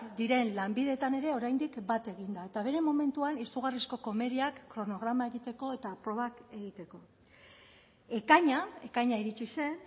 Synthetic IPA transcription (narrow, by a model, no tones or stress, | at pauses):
d̪iɾe̞nlambiðe̞t̪ane̞ɾe̞o̞ɾajnd̪ikbat̪e̞ɣ̞ind̪ae̞t̪aβ̞e̞ɾe̞mːo̞me̞nt̪uanisuɣarisko̞ko̞me̞ðiakːɾo̞no̞ɣɾamae̞ɣit̪e̞ko̞e̞t̪apɾo̞β̞ake̞ɣ̞it̪e̞ko̞ | e̞kaɲae̞kaɲaiɾit͡ʃise̞n